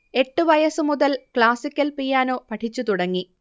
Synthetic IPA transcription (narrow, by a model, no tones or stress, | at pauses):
e̞ʈːɨʋɐjɐsɨmuðɐlkɭaːsikʲːɐlpijaːnoːpɐʈʰit͡ɕːut̪uɽɐŋːi